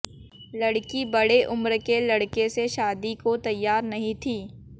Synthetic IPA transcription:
lɐɽkibɐɽeʔʊmɾkelɐɽkeseʃaːd̪ikot̪ɐjːaːɾnɐɦĩt̪ʰiː

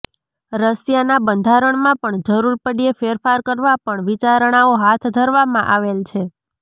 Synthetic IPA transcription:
ɾəsjanabənd̪ʱaɾəɳmãpəɳd͡ʒəɾuɾpəɖiefeɾfaɾkəɾʋapəɳʋit͡ʃaɾɳ̃aoɦat̪ʰd̪ʱəɾʋamãʔaʋelt͡ʃʰe

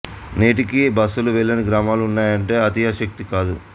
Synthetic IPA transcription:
neːʈikibɐsːuluʋɛɭːɐniɡɾaːmaːluunːaːjɐɳʈe̞ːɐt̪ijaːʃɐk̚t̪ikaːd̪u

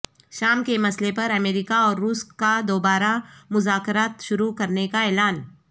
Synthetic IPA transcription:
ʃaːmkemɐslepɐɾɐmeːɾiːkaɔːɾːuːskad̪oːbaːɾamʊzaːkɾaːt̪ʃʊɾukɐɾnekaɛːlaːn

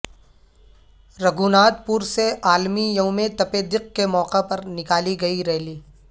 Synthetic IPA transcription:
ɾɐɡuːnaːd̪̚puːɾseʔaːlmijɐʊmet̪ɐped̪ɪq̚kemɔːqepɐɾnɪkaːliɡɐiɾɛːliː

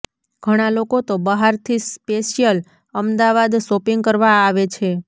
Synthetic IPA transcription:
ɡ̥ʱəɽ̃alokot̪obəɦaɾt̪ʰispeʃijəl | əmd̪aʋad̪ʃopiŋɡ̚kəɾʋaaʋet͡ʃʰe

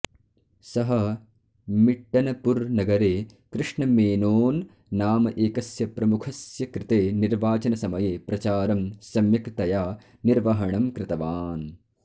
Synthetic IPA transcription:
sɐɦɐ | miʈːɐnɐpuɾnɐɡɐɾeː | kɾɪʂɳɐmeːnoːnː | aːmɐʔeːkɐsjɐpɾɐmukʰɐsjɐkɾɪt̪eːniɾʋaːt͡ʃɐnɐsɐmɐjeːpɾɐt͡ʃaːɾɐmsɐmjɐkt̪ɐjaː | niɾʋɐɦɐɳɐmkɾɪt̪ɐʋaːn

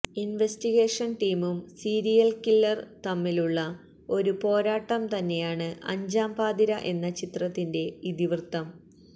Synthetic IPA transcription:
inʋestiɣe̞ːʂɐnʈiːmumsiːɾijɐlkilːɐrt̪ɐmːiluɭːɐ | o̞ɾupo̞ːɾaːʈːɐmt̪ɐnːe̞jaːɳɨʔɐ̰ɲd͡ʑaːmpaːd̪iɾɐʔe̞nːɐt͡ɕit̪rɐt̪ːinde̞iðiʋrt̪ːɐm

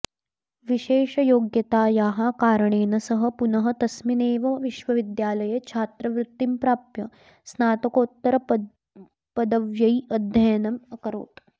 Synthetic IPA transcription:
ʋiʃeːʃɐjoːɡjɐt̪aːjaːɦakaːɾɐɳeːnɐsɐɦɐ̆punɐɦɐt̪ɐsmineːʋɐʋiʃʋɐʋid̪jaːlɐjet͡ʃʰaːt̪ɾɐʋɾut̪ːimpɾaːpjɐ | snaːt̪ɐkoːt̪ːɐɾɐ | pɐd̪ɐʋjɐiɐd̪ʱjɐjɐnɐmɐkɐɾo̰ːt̪

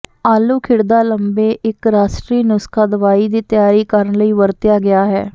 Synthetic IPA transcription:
aːluːkʰɪɽd̪aːləmbeːʔɪkɾaːsʈɾiːnʊskaːd̪əʋaːiːd̪iːt̪jaːɾiːkəɾənləiːʋəɾt̪ɪjaːɡɪaːɦɛ̰ː

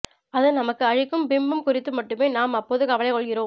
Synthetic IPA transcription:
ɐðɯnɐmɐkːɯɐɻɪkːɯmbɪmbɯmkʊrɪt̪ːɯmɐʈːɯmeːnaːmɐpːoːðɯkɐʋɐlɐɪkɔɭɣɪroːm

